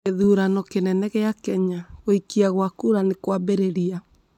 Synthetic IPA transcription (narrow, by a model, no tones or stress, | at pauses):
eðuɾanɔkenɛnɛɣeakɛɲaɣoikiaɣwakuɾanekwabeɾeɾia